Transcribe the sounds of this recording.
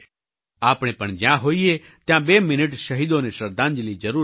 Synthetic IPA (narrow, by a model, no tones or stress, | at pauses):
aːpɽ̃ẽpəɳd͡ʒjãɦoːie | t̪jãːbeːmɪnəʈʃəɦiːd̪õneʃəɾd̪ãːnd͡ʒlid͡ʒəɾuː